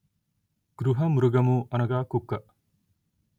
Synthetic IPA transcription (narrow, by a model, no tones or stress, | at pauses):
ɡ̥ɾuɦɐmuɾuɡɐmuʔɐnɐɡaːkukːɐʔ